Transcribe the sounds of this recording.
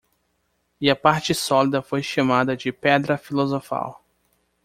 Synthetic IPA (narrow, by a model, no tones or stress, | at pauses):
ɪɐpaɾt͡ʃɪsɔlid̪ɐfojʃɐmad̪ɐd͡ʒɪpɛd̪ɾɐfilozofa̰w